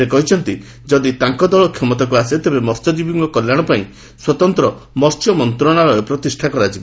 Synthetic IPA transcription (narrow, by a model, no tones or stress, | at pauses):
ekɔɦit͡ʃʰɔnt̪i | d͡ʒɔd̪it̪aŋkɔd̪ɔɭɔkʰːemɔt̪ɔkuaset̪ebemɔɾsɔd͡ʒibiŋkɔkɔljaɽ̃ɔpaĩ | swɔt̪ɔnt̪ɾɔ | mɔɾt͡ʃɔmɔnt̪ɾɔɽ̃aɾɔɔpɾɔt̪isʈʰakɔɾad͡ʒib